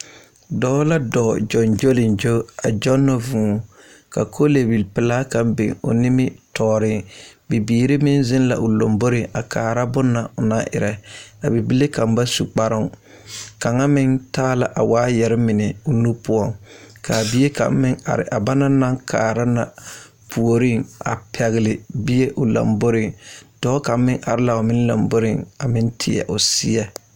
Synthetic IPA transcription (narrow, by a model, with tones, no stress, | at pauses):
dɔː˦la˦dɔː˨d͡ʒɔ˨nd͡ʒo˦lɪ˨nd͡ʒo˦a˨d͡ʒɔ˦nːɔ˨vũː˨ | ka̰˨kʰo˦le˨bi˨lpɪ˨la˦ka˨mbḛ˨ŋʊ̰˨nɪ˦mɪ˦tʰɔː˨ɾɪ˦bi˨biː˨ɾi˦mɪ˦nzɪ˦nla̰˨ʔʊ˨lo˨mbo˦ɾɪ˨ʔa˨kʰaː˨ɾa˦bʊ˦nːa˨ʊ˨na˦ʔɪ̰˨ɾɛ˨a˨bi˨bi˦le˦ka˨mba˦su˨k͡pa˦ɾʊ˦ŋ | ka˨ŋa˦mɪ˦ŋtaː˦la˨ʔa˨waː˦jɛ˨ɾɪ˦mɪ˨nɪ˨ʊ˦nu˦pʊ˦ɔ˦˨ŋkʰa˨bi˦je˦ka̰˨˦mɪ˦ŋa̰˨ɾɪ̰˨ʔa˨ba˦na˦na˦ŋkʰaː˨ɾa˦na˨ | pʰu˨o˨ɾi˦ŋa̰˨pʰɛ˨ɣɪ˨lɪ˨bi˦je˦ʔʊ˨la̰˨mbo˦ɾɪ˨ŋd̥ɔː˦ka˨m˦mɪ˦ŋʔa̰˨ɾɪ˦la˨ʊ˨mɪ˦n˦la̰˨mbo˦ɾɪ˦˨ŋa˨mɪ˦ntʰɪ˨ɛ̰˨ʔʊ˨sɪ˦ɛ˦